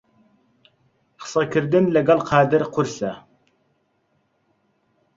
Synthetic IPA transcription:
χɨ̥sɑkʲʰɪɾd̪ɪnlæɡɑlˠqʰɑːd̪ɪɾqʰʊɾsæ

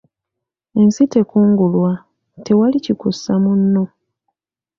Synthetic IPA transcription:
e̞nsite̞kuːŋɡulwa | te̞walicikusamunːo̞

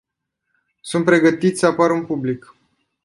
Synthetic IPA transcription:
sunt̪pɾe̞ɡət̪it̪ssəapaɾunpublik

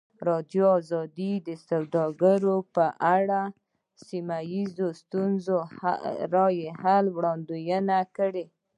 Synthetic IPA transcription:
ɾɑd̪joɑzɑd̪id̪əsawd̪ɑɡaɾopəʔaɽa | simajizost̪unzo̰ɾɑjehalwɽɑnd̪ujənakəɽe

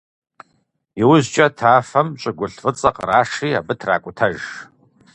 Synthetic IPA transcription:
iwʊzt͡ʃʼɐtʰaːfɐmt͡ʃʷʼaɡʷʊɬfɨt͡sʼɐqʼraːʂia̰bɨtʰra̰ːkʷʼʊtʰɐʒ

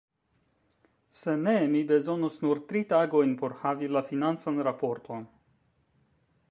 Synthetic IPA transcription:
se̞ne̞mibe̞zo̞nosnuɾt̪ɾitaɡo̞jnpo̞ɾhavilafinant͡sanɾapo̞ɾtʰo̞n

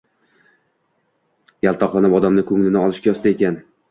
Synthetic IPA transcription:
jalˠt̪ʰɒqlˠanɪpɒd̪amnɪkʰɵŋlɪnɪɒlˠɪʃkʲajɒst̪aekʲan

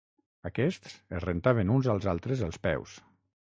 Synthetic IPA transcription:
əkɛst̪səzrent̪aβ̞ənunzalˠzalˠt̪ɾəzəlˠspɛ̰ws

